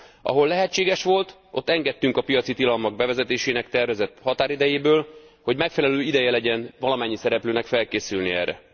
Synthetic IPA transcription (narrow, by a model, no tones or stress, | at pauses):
ʔɒ̰ɦo̞lːɛɦɛt͡ʃːeːɡɛʃʋo̞lt̪ | ʔo̞̰t̪ːɛŋɡɛt̪ːyŋkɒpijɒt̪sit̪ilɒlmɒɡ̚bɛvɛzɛt̪eːʃeːnɛkt̪ɛrvɛzɛt̪hɒt̪aːɾid̪ɛjeːbøːlho̞ɟmɛkfɛlɛløːid̪ɛjɛlɛɟɛnvɒlɒmɛɲːisɛɾɛpløːnɛkfɛlkeːsylniɛ̰ːrɛ̰